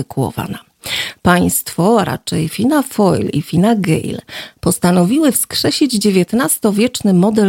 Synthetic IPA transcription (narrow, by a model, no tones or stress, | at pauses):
ɛkʰuwɔ̰va̰na | paj̃st̪fɔɾa̰t͡ʂɛjfʲinafɔjlḭfʲinaɡɛ̰jlpɔst̪anɔvʲiwɘfskʂɛɕʲid͡ʑd͡ʑevʲjɛt̪nast̪ɔvʲjɛt͡ʂnɘmɔd̪ɛ